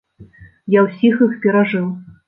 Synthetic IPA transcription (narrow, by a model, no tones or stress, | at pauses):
jawsʲixɨxpʲɛɾaʐɨw